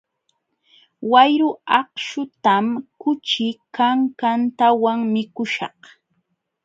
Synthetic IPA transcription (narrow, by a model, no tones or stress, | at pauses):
wajɾʊɑqʃʊt̪amkʊt͡ʃɪkaŋkant̪awaŋmɪkʊʃɑχ